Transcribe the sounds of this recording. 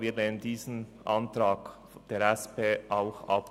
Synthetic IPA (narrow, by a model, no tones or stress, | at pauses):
viːneːməndiːzn̩ʔa̰ntɾaːk | d̥eːɾɛspʰeːʔaʊxʔa̰p̚